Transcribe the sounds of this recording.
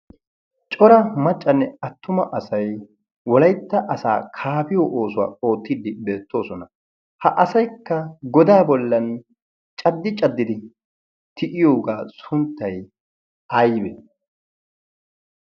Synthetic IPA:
t͡ʃʼɔɾɐmɐt͡ʃʼːɐnːɛɐt̪ʰːʊmɐʔɐsɐj | wɔlɐjt̪ːɐʔɐsa̰ːkʰaːpɪjoːʔoːsʊwa̰ːʔo̞ːt̪ːɪd̪ɪbe̞ːt̪ːo̞ːsɔnɐ | hɐʔɐsɐjkːɐɡɔd̪aːbɔlːɐn | t͡ʃʼɐd̪ːɪt͡ʃʼɐd̪ːɪd̪ɪ | t̪ʰɪʔɪjo̞ːɡaːsʊnt̪ːɐj | ɐjbɛ

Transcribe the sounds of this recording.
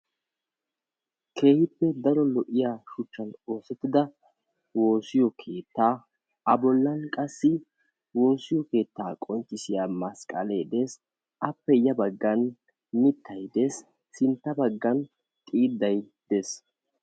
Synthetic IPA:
kʰe̞ːhɪpːɛd̪ɐɾɔlɔʔɪjaːʃʊt͡ʃːɐno̞ːsɛt̪ːɪd̪ɐ | wo̞ːsɪjɔkʰe̞ːt̪ːaː | ɐbɔlːɐnkʼɐsːɪ | wo̞ːsɪjɔke̞ːt̪ːaːkʼɔnt͡ʃːɪsɪjaːmɐskʼɐ̰leːd̪eːs | ɐpːɛjɐbɐɡːɐn | mɪt̪ʰːɐjd̪e̞ːs | sɪnt̪ːɐbɐɡːɐn | t̪ʼiːd̪ːɐj | d̪̥es

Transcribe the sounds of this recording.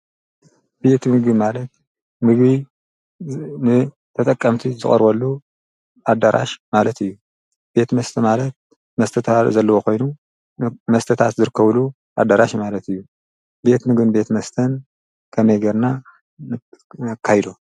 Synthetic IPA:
b̥e̞t̪mɨɡɨmalɐt̪̚ | mɨɡβi | nɨ | t̪ʰɐt̪ʼɐkʼːɐmt̪ʰizɨχʼɐ̰ɾbɐlːu | ʔad̪aɾʔa̰ʃmalɐt̪ɨjːu | b̥e̞t̪mɐst̪ʰɐmalɐt̪̚ | mɐst̪ʰɐt̪ʰazɐlːɐwo̞ko̞jnu | mɐst̪ʰɐt̪ʰat̪zɨɾɨkːɐβlu | ʔad̪aɾaʃmalɐt̪ɨjːu | be̞t̪mɨɡɨnbe̞t̪mɐst̪ʰɐn | kʰɐmɐjɡɐɾna | ɨkʰːajd̪o

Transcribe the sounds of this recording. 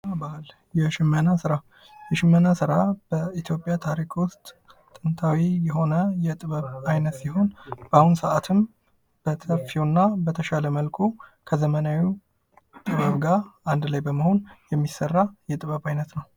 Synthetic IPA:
bal | jɛʃɪmːənasɨɾa | jɛʃɪmːənasɨɾab̥əit̪ʰjo̞pʼjat̪ʰaɾikwʊst̪ːʼ | ɨnt̪ʰawijɛɦo̞nəjɛt̪ʼɨβəβajnət̪siɦo̞nb̥ahunsəʔat̪ʰɨm | b̥ət̪ʰəfiwnːabət̪ʰəʃaləməlkʰukʰəzəmənawu | t̪ʼɨβəβɡaɾand̪lajbəməho̞njɛmːisərːajɛt̪ʼɨβəβajnət̪nəw

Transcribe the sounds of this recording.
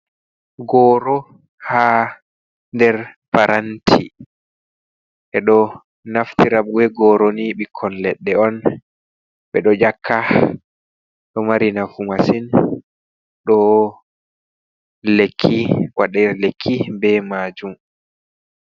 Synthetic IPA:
ɡɔːɾɔ | ha | ndɛɾpaɾʔantʰḭ | ʔɛɗɔ | naftiɾaɓuwɛɡɔɾoniɓikʰːɔnlɛɗːɛɔn | ɓɛɗɔd͡ʒakʰːa | ɗɔmaɾinafumasin | ɗɔ | lekʰːiwaɗɛlekʰːibɛmad͡ʒum

